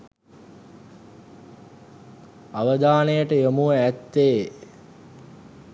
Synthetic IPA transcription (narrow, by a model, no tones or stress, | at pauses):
aʋəd̪aːnejəʈəjomuəæt̪ːeː